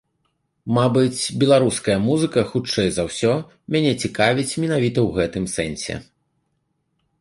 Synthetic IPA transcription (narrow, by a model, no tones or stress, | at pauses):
mabɨt͡sʲbʲɛlˠaɾuskɐjɐmuzɨkɐxut͡ʂɛjzɐwsʲɔ | mʲanʲɛt͡sʲikavʲit͡sʲmʲinavʲit̪ɐwɣɛt̪ɨmsɛnʲsʲɛ̰